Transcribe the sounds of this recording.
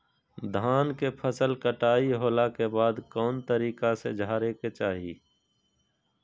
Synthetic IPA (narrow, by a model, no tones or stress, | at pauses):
d̪ʱaːnkepʰəsəlkəʈaːiɦoːlakebaːd̪kɔːnt̪əɾiːkasḛd͡ʒʱaːɾeket͡ʃaːɦḭː